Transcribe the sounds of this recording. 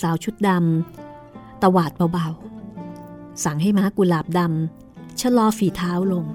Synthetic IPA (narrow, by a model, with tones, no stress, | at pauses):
saː˩˦wt͡ɕʰu˦˥t̪̚da˧m | t̪a˧waː˨˩t̪̚ba˧wba˧w | sa˨˦ŋɦa˥˩jmaː˦˥kuː˨˩laː˨˩p̚da˧m | t͡ɕʰa˧˥lɔː˧fiː˨˩˦t̪ʰaː˦˥wlo˧ŋ